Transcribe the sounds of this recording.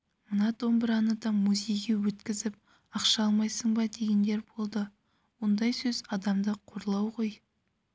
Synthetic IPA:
mənɑt̪o̞mbɪɾɑnəd̪ɑmuzʲe̞jɡʲe̞wɵt̪kʲɪzɪp̚ | ɑqʃɑɑlˠmɑjsəɴbɑd̪e̞ɡʲe̞nd̪e̞ɾbo̞lˠd̪ə | wo̞nd̪ɑjsɵzɑd̪ɑmd̪əqʰo̞ɾəlˠɑwʁo̞j

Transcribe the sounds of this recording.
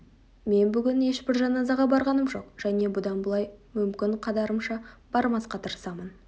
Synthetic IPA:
me̞nbʏɡʲɪnje̞ʃbɪɾʒɑnɑzɑʁɑbɑɾʁɑnəmʒo̞qʒ̥æne̞bʊd̪ɑnbʊlˠɑjmʏmkʲɪɴqʰɑd̪ɑɾəmʃɑb̥ɑɾmɑsqɑt̪ʰəɾəsɑmən

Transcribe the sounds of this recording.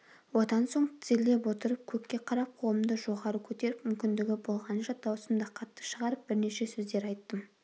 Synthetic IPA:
wo̞d̪ɑnso̞ɴt̪ʰɪ̥zɪle̞p̬wo̞t̪əɾəp̚kʲʰɵkʲkʲːe̞qʰɑɾɑp̚qʰowˠəmd̪əʒo̞ʁɑɾəkʲʰɵt̪e̞ɾɪpmʏmkʲɪnd̪ɪɡʲɪbo̞lˠʁɑnʃɑd̪ɑwsəmd̪ɑqʰɑt̪ːə̥ʃəʁɑɾəp̚b̥ɪɾne̞ʃe̞sɵzd̪e̞ɾɑjt̪ːəm

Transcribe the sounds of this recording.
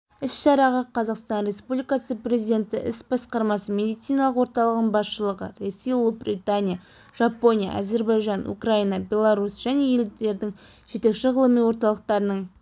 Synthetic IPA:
ɪsʃɑɾɑʁɑqʰɑzɑqst̪ɑnɾe̞spublijkɑsəprʲe̞zijd̪ʲe̞nt̪ɪʔɪsbɑsqɑɾmɑsəmʲe̞d̪ijt̪sijnɑlˠəqwo̞ɾt̪ɑlˠəʁəɴbɑsʃəlˠəʁə̰rosːijlˠubrit̪anʲija | ʒ̥ɑpo̞nija̰ʔa̰ze̞ɾbɑjʒɑnṵkrainɑbʲe̞lˠaɾusʒ̥æne̞je̞ld̪e̞ɾd̪ɪŋ | ʒ̥e̞t̪e̞kʃɪʁəlˠəmijwo̞ɾt̪ɑlˠəq̚t̪ɑɾənəɴ

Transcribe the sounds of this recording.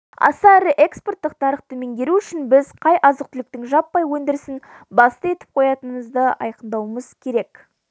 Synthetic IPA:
ɑ̰sɑɾɪʔe̞kspo̞rt̪ːəq̚t̪ʰɑɾəχt̪ʰɵme̞ŋɡʲe̞ɾuʏʃɪnbɪzqʰɑjʔɑzəq̚t̪ʰʏlɪkt̪ɪŋʒɑpːɑjwɵnd̪ɪɾsɪn | bɑst̪əe̞t̪ɪ̥p̚qʰo̞jɑt̪ənəməzd̪əɑ̰jqənd̪ɑwəməz̥kʲʰe̞ɾek

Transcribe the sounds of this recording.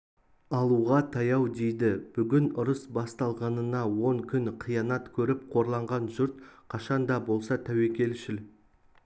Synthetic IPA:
ɑlˠuʁɑt̪ʰɑjɑwd̪e̞jd̪ɪb̥ʏɡʲɪnʊɾəsbɑst̪ɑlˠʁɑnənɑwo̞ɴkʲʰʏnqʰijɑnɑt̪kʲʰɵɾɪpqʰo̞ɾlˠɑɴʁɑnʒʊɾt̪̚qʰɑʃɑnd̪ɑbo̞lˠsɑt̪ʰæwe̞kʲe̞lʃɪl

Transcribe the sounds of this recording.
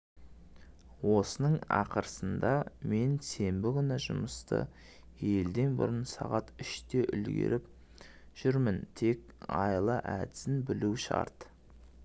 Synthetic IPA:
wo̞sənəɴɑ̰qəɾəsənd̪ɑme̞nse̞mbɪkʲʏnɪʒʊ̰məst̪ə̰ | je̞ld̪e̞nbʊ̰ɾənsɑʁɑt̪ʏʃt̪e̞ʔʏlɡʲe̞̰ɾɪp̚ | ʒ̥ʏɾmɪnt̪ʰe̞kɑjlˠəʔæd̪ɪzɪnbɪluʃɑ̰ɾt̪

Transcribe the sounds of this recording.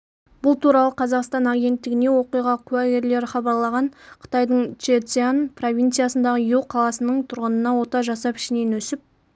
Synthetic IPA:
b̥ʊlˠt̪ʰuɾɑlˠəqʰɑzɑqst̪ɑnaɡʲe̞nt̪ːɪɡʲɪne̞wo̞qijʁɑqʲʰʉæɡʲe̞ɾle̞ɾɪχɑbɑɾlˠɑʁɑɴqʰə̥t̪ɑjd̪əɴt͡ʃet̪sianpʰro̞vʲint̪sɨijasənd̪ɑʁəjelˠqʰɑlˠɑsənəɴt̪ʰʊɾʁənənɑwo̞t̪ɑʒɑsɑpɪ̥ʃɪne̞nɵsɪp̚

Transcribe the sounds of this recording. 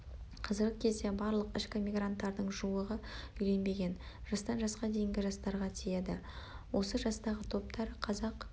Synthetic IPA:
qʰɑzɪɾɡʲɪkʲʰe̞zd̪e̞bɑɾlˠəqɪʃkʲɪmʲijɡrant̪ːɑɾd̪əɴʒuwəʁəʏjle̞nbe̞ɡʲe̞nʒ̥ɑst̪ɑnʒɑsqɑd̪e̞jɪŋɡʲɪʒɑst̪ɑɾʁɑt̪ʰije̞d̪ɪ | wo̞səʒɑst̪ɑʁət̪ʰo̞p̚t̪ʰɑɾqʰɑzɑq

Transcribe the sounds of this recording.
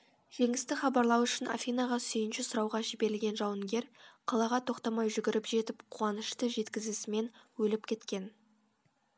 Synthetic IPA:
ʒ̥e̞ŋɪst̪ɪχɑbɑɾlˠɑwʏʃɪna̰fʲijnaʁɑsʏjɪnʃɪsʊɾɑwʁɑʒɪbe̞ɾɪlɡʲe̞nʒɑwəŋɡʲe̞ɾqʰɑlˠɑʁɑt̪ʰo̞qt̪ɑmɑjʒʏɡʲɪɾɪpʒ̥e̞t̪ɪpqʰuɑnəʃt̪əʒe̞t̪kʲɪzsɪme̞nwɵlɪpkʲʰe̞t̪kʲe̞n

